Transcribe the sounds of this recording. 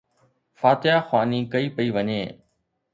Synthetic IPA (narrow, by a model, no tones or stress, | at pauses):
faːt̪ɪjaːxwaːniːkɐiːpəiːʋəɲḛː